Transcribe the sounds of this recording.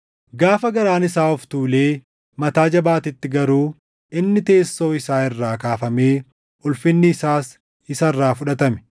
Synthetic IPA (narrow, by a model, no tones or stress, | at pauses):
ɡaːfɐɡɐɾaːnɪsaːɔft̪uːle̞ː | mɐt̪aːd͡ʒɐbaːt̪ɪt̪ːɪɡɐɾuː | ʔɪnːɪt̪e̞ːsːo̞ːɪsaːɪrːaːkaːfɐme̞ː | ʔʊlfɪnːɪːsaːs | ɪsɐrːaːfʊᶑɐt̪ɐmɛ̥